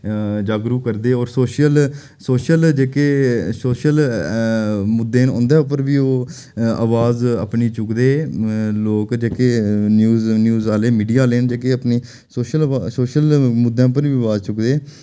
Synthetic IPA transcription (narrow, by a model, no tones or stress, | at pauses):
d͡ʒaːɡɾuːkəɾd̪eːɔːɾsoːʃəl | soːʃəld͡ʒeːkeːsoːʃəl | mʊd̪ːeːnõ̰ːnd̪eːʊpəɾʋiːoː | a̰ːʋaːzə̰pniːt͡ʃʊkd̪eːloːkd͡ʒeːkeːnjuːznjuːzaːleːmiːɖijaːleːnd͡ʒeːk̬eːəpniː | soːʃəlasoːʃəlmʊd̪ʱːãːp̬ənʋiːʋaːzt͡ʃʊkd̪eː